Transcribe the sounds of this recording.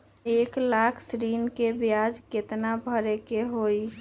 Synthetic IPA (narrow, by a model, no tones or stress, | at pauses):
eklakʰsɾinkebjad͡ʒket̪nabʱəɾekeɦoi